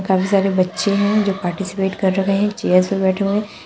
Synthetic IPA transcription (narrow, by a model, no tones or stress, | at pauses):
kaːfisaːɾebɐtːʃeɦɛ̃d͡ʒoːpaːɾʈisɪ̥peːʈkɐɾːɐkʰeɦɛ̃t͡ʃeːjəɾzpebɛːʈʰeɦẽ